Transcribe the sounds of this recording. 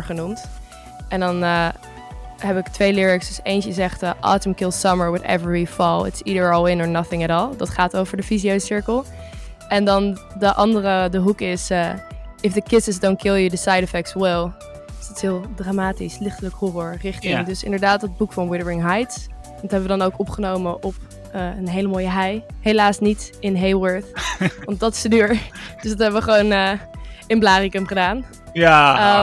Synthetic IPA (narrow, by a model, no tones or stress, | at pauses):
ɹχənumt | ʔɛ̃ndɑnə | ɦɛpɪktʋejlɪɹɪksdəsejntəzɛχtəʔɑ̰tə̃mkɪlˠsʌməɹwɪðɛ̰vɹifɔlˠɪ̰tsidə˞ɔlˠɪ̃nəɹnʌθɪ̃ŋɛɾɔːlˠdɑtχaːtowvəɹdəfiziowsɪɹkəlˠ | ɛndɑndəʔɑndəɾədəɦukɪsəɪfðəkɪsəsdõnkʰɪlˠjədəsajdɪfɛk̚tswɪlˠ | sd̥ɑtɪ̥sɦɪːlˠdraːmaːtislɪχtələkhɔrɔɹrɪχtɪŋdɵsɪ̰ndəɹdaːtdəd̚bukfɑnwɪɾəɹɪŋɦajt | dɔtɦɛbəʋədɑnowkɔpχənowməʔɔp̚ | əːənɦejləmoːjəɦɛjɦelaːsnitɪnɦejwəɹθʋɑnt̚dɑtɪ̥sdədyːɹd̥øsdɑtɦɛbəʋəχəʋonəɪnblaːrikəmχədaːn | ə